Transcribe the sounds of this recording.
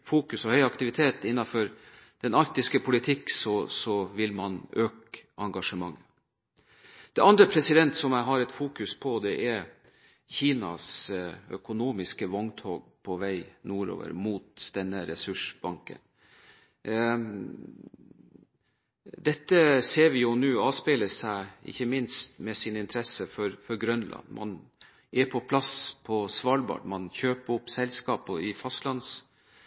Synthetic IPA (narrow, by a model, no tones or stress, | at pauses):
fuːkʉsɔhœʏɑkt̪ɪʋɪt̪ʰeːt̪ɪnːɑfɔɾ | d̪̥ɛnɑɾt̪ɪskəpʰʊlɪt̪ʰɪksɔsɔʋɪlmɑnøːkɑŋɡɑʂəmɑŋːə | d̪̥ɛɑnd̪ɾəpʰɾɛsɪd̪ɛnt̪sɔmæɦɑɾɛt̪fuːkʉspʰɔd̪ɛʔɛɾ | çiːnɑ̰sœkʊnuːmɪskəʋɔŋt̪ʰoːɡ̚pʰɔʋæɪnuːɾo̰ːʋə̰ɾmuːt̪d̪̥ɛnːəɾɛsʉʂbɑŋkə̰n | d̪ɛt̪ːəseːɾʋɪjʊnʉːɑːʋspeːləsæɪɪ̰çːəmɪnst̪mɛsɪnɪnt̪ʰɾɛsəfɔɾfɔɾɡɾœnlʔɑ̰nːmʔɑ̰n | ɛɾpʰɔpʰlɑspʰɔsʋɑːlbɑ̰ːʈmɑnçøːpəɾʊpːsɛlskɑːpɔɪfɑst̪lɑns